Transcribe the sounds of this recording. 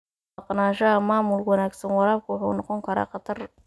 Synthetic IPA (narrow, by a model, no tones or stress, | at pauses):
ɑqnaːʃɐɦɐmaːmʊlwɑnaːɡsɐnwɑlaːlkʰʊwʊħṵːnɔqɔŋkʰɐɾa̰ːqɑt̪ʰɐr